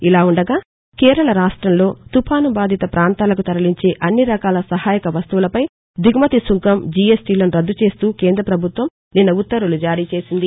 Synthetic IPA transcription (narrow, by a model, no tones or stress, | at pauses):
ilaːuɳɖɐɡaː | kɛːɾɐlɐɾaːʂʈɾɐmlo̞ːt̪upʰaːnubaːd̪ʱit̪ɐpɾaːnt̪aːlɐkut̪ɐɾɐliɲt͡ʃe̞ːʔɐnːiɾɐkaːlɐsɐɦaːjɐkɐʋɐst̪uʋulɐpɐj | d̪iɡmɐt̪isuŋkɐmd͡ʒiesʈiloːniɾɐd̪ːut͡ʃe̞ːst̪uːkɛːnd̪ɾɐpɾɐbʱut̪ʋɐm | ninːɐut̪ːɐɾulud͡ʒaːɾiːt͡ʃe̞ːsind̪i